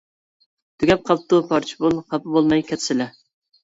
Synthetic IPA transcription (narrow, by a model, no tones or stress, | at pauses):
d̪̥yɡʲɛp̚qʰɑl̚ˠt̪ːupʰɑɾt͡ʃʰi̥bulˠqʰɑpɨbolˠmɑjkʲʰɛt̪sɪlɛ